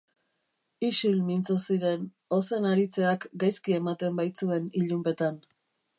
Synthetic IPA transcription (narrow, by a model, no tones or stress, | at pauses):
iʃulmint͡sosiɾe̞n | o̞se̞naɾit͡se̞akɡajskie̞mat̪e̞mbajt͡sue̞niʎumpe̞t̪an